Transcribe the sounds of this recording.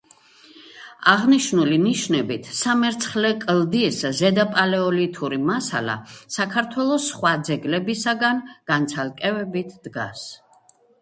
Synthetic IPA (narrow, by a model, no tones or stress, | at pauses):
aʁniʃnuliniʃnɛbit̪ʰsamɛɾt̪sʰχlɛkʼlˠd̪iszɛd̪apʼalɛɔlit̪ʰuɾimasa̰la̰sakʰaɾt̪ʰwɛlˠɔsχwad̪zɛɡlɛbisaɡanɡ̥ant̪sʰalˠkʼɛvɛbit̪ʰd̪̥ɡa̰s